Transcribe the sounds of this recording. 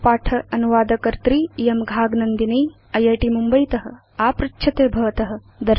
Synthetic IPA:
paːʈʰɐɐnuʋaːd̪ɐkɐɾt̪ɾiːjɐmɡʱaːɡnɐnd̪inɐj | ɐjɐːʈimumbɐjt̪ɐɦɐ̆ | aːpɾɐkːʃʰɐt̪eːbʱɐʋɐt̪ɐɦɐ̆ | d̪ɐ

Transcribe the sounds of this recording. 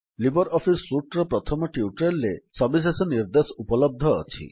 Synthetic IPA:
libɔɾɔpʰisːuʈɾɔpɾɔt̪ʰɔmɔʈiuʈɾelːesɔbis̬esɔniɾd̪esɔupɔlɔb̚d̪ʱɔ̰ːt͡ʃʰḭ

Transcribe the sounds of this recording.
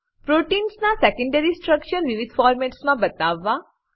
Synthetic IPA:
pɾoʈinsnasekə̃ɳɖeɾisʈɾəkʃəɾʋiʋid̪ʱfɔɾmɛʈsmãbət̪aʋːa

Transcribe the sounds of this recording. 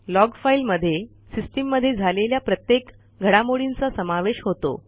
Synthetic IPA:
lɔɡfailməd̪ʱːje | sisʈimːəd̪ʱːjed͡zʱaleljapɾət̪jek | ɡʱəɽamoɽint͡sasəmaʋeɕɦot̪o̰

